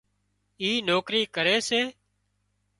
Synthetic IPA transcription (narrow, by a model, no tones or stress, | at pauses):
iːnoːkɾiːkəɾeːseː